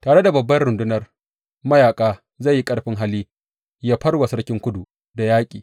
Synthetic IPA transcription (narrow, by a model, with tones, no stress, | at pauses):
taː˨ɽe˦da˨bɐ˨bːɐ˦nɽʊ˨ndʊ˦nɐ˦r | mɐ˦jaː˨kʼaː˦ | zɐ˦˨ji˦kʼɐ˦ɽɸɪ˦ŋɦa˦liː˦ | jaː˦ɸɐ˦ɽwɐ˨sɐ˦ɽkʲɪ˦ŋkʷʊ˦du˨ | da˨jaː˦kʲʼḭː˨